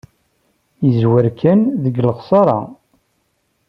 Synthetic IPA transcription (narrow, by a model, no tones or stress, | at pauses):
jəzwəɾkʰænðəɡləχsˤɑɾˤɑ̰